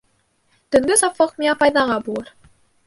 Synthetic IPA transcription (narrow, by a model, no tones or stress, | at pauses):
t̪ɵ̆ŋɡ̪ɘsɑpfɤqmiɑpɑjðɑʁɑbulˠɤɾ